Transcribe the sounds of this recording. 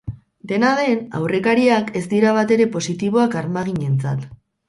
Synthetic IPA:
d̪e̞naðe̞na̰wre̞kaɾiake̞sd̪iɾaβat̪e̞ɾe̞po̞sit̪iβ̞o̞akaɾmaɣ̞iɲe̞nt͡sa̰t̪

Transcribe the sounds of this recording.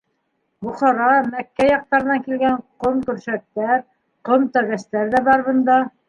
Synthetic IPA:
bŭχɑɾɑmækːæjɑq̚t̪ɑɾɤ̆nɑŋkilɡæɴqomkɵ̆ɾʃæk̚t̪æɾ | qomt̪ɑɡæst̪æɾðæbɑɾβɤ̆nd̪ɑ

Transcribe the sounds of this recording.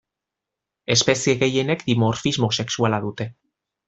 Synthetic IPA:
e̞spe̞sieɣe̞je̞ne̞kd̪imoɾfizmo̞se̞ksualaðut̪e̞

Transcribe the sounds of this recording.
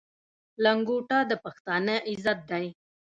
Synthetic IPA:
laŋɡuʈɑd̪əpaxt̪ɑnəʔɪzat̪̚d̪aj

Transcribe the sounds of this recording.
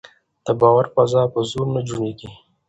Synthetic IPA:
d̪̥əbɑwaɾfazɑpəzoɾnad͡ʒuɳeɡi

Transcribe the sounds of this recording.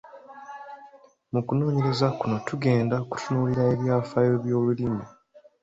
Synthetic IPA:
mukuno̞ːɲe̞ɾe̞zakuno̞tuɡe̞ːndaku̥tʰunuːliɾae̞βjaːfajo̞βjo̞ːlulimi

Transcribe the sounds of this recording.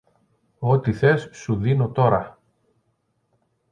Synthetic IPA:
o̞t̪iθe̞sːuðino̞t̪o̞ɾɐ

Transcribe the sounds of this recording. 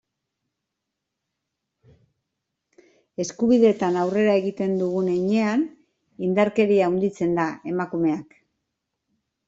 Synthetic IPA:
e̞skuβiðe̞t̪anawre̞ɾae̞ɣit̪e̞nd̪uɣ̞uneɲe̞an | ind̪aɾke̞ɾiaund̪it͡se̞nd̪ae̞makume̞ak

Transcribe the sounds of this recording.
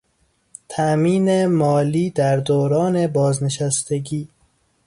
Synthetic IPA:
t̪ʰæmiːnemɒːliːd̪æɾd̪oːɾɒːne̞bɒːzne̞ʃæst̪eɡiː

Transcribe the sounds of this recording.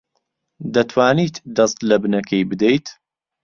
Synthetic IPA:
d̪ɐt̪ʰwaːnit̪d̪ɐst̪lɐbɨnɐkʰɐjbɨd̪ejt̪

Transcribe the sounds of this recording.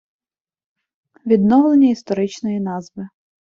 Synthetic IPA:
ʋʲid̪nɔwlˠenʲːɐist̪ɔɾɪt͡ʃnɔjinɑzbɪ

